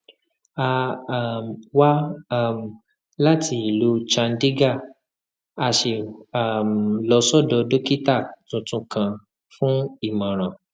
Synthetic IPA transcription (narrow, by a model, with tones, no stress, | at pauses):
a˧˨mwa˦˨m˨ | la˦ti˧i˨lu˨˦t͡ʃã˧n̩˦di˦ɡa˦˨ | a˧ʃe˧˨a˨mlɔ˧˦sɔ˦˨dɔ˧do˦ki˦ta˦˨tũ˧tũ˧kã˧ | fũ˦i˦˨mã˨ɾ̃ã˨